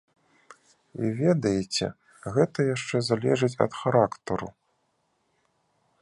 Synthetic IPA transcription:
ḭvʲɛd̪ɐjet͡sʲɛ̰ | ɣɛt̪ɐjaʂt͡ʂɛzalʲɛʐɨt͡sʲɐ̰t̪xaɾakt̪ɐɾṵ

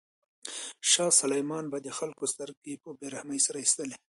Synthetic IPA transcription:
ʃɑsalajmɑnbad̪əxalkost̪aɾɡepəbeɾahmajsaɾaist̪əle

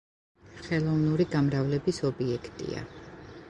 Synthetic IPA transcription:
χɛlˠɔvnuɾiɡamɾavlɛbisɔbiɛkʰt̪ʼḭa̰

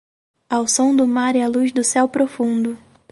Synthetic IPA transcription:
awsõw̃d̪ʊmaɾɛaluzd̪ʊsɛwpɾofũnd̪ʊ

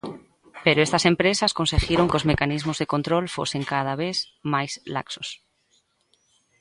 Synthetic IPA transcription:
peɾoest̪asẽ̞mpɾesasko̞nseɣjeɾo̞ŋkeo̞zmekanizmozðekõnt̪ɾolfo̞̰seŋkað̞aβ̞eθ | majsla̰ksos

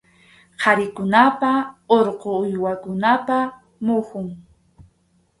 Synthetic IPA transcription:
qʰɑɾɪkʊnapaoɾqoʊjwakʊnapa | mʊhʊŋ

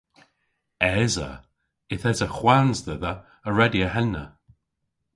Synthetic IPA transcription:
ɛzə̰ | ɪθɛzəxwanzðɛðə | əɹɛdiəhɛnːə

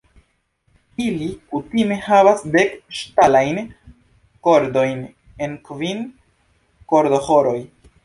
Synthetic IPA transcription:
ilikutime̞havasdekʃtalajn | ko̞ɾdo̞jn | e̞nkvin | ko̞ɾdo̞ho̞ɾo̞j

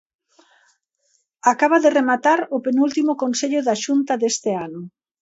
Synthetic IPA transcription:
akaβ̞aðeremat̪aɾʊpenult̪imʊkonseʎʊðaʃunt̪ɐðest̪ɪanʊ

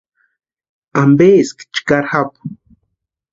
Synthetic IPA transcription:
ambeːskt͡ʃkaɾxap

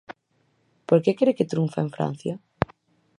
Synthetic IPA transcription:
poɾkekɾeket̪ɾuɱfaeɱfɾa̰n̟θja

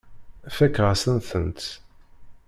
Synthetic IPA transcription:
æfækːʁasənθənt̪

